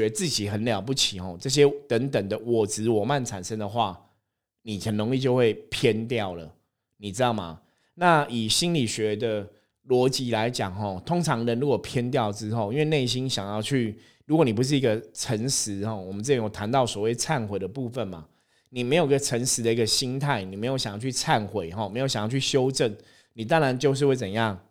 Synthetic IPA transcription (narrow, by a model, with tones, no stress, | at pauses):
ɥɛ˧˥t͡sɹ̩˥˩t͡ɕi˨˩xə˨˦nljɑ˨˩ʊp̬u˥˩t͡ɕʰi˨˩xɔ˥˨˩t͡sɤ˥˩ɕ̬jɛ˦t̪ə˧˦ŋt̪ə˨˩ŋd̪ə˨wɔ˨˩t͡sɹ̩˧˦wɔ˨˩ma˥˩nt͡sʰa̰˨˩nʂə˦ŋd̪ə˨xwa˥˩ | ni˨˩xə˨˩nno˧˦ŋli˥˧˩t͡ɕjo˥˧ʊxwe˥˩ɪpʰjɛ˦˥nt̪jɑ˥˨˩ʊlə̰˩ | ni˨˩t͡sɻ̩˥t̪ɑ˥˩ʊma̰˩ | na˥˩i˨˩ɕi˦nli˨˩ɕɥɛ˧˦d̪ə˧ | lwɔ˧˥t͡ɕi˧˥la˧˦ɪt͡ɕjɑ˨˩ŋxɔ˨˩t̪ʰo˥ŋt͡sʰɑ˧˥ŋnə˧˦nɻu˧˦˥kwɔ˨˩pʰjɛ˥nt̪̬jɑ˥˨ʊt͡sɻ̩˦xo˥˧ʊi˥nwe˥˧ɪne˥˩ɪɕ̬i˦nɕjɑ˨˩ŋjɑ˥˧ʊt͡ɕʰy˥˩ | ɻu˧˥kwɔ˨˧˦ni˨˩pu˦ʂ̬ɻ̩˥˩i˧˦˥ɡə˧ʈ͡ʂʰə˧˥ŋʂɻ̩˧˦xɔ˥˩wɔ˨˩mənt͡s̩˥˩jjo˨˩t̪ʰa˧˦nt̪ɑ˥˩ʊswɔ˨˩we˥˩ɪt͡sʰa˥˩nxwe˨˩ɪd̪ə˩pu˥˧fə˨˩nma̰˩ | ni˨˩me˧˥jo˨˩i˧˥ɡə˧˩t͡sʰə˧˥ŋʂɻ̩˧˦d̪ə˨i˧˥ɡə˧ɕi˦˥nt̪ʰa˥˩ɪni˨me˧˥ɪo˨˧˦ɕa˨ŋjɑ˥ʊt͡ɕʰy˥˧t͡sʰa˥˨˩nxwe˨˦ɪxɔ˨˩me˧˥jo˨˩ɕjŋjɑ˥˧ʊt͡ɕʰy˥˩ɕjo˦˥ʊʈ͡ʂə˥˩n | ni˨˩t̪̬a˥˦ŋɻa˧˦nt͡ɕjo˥˧ʊʂ̬ɻ̩˥˧we˥˩ɪt͡sə˨˩n˦jɑ˥˩ŋ